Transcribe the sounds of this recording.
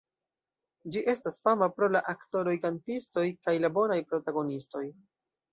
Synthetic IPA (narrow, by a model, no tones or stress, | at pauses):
d͡ʒiʔe̞stasfamapɾo̞laʔakto̞ɾo̞jkantisto̞jkajlabo̞najpɾo̞taɡo̞nisto̞j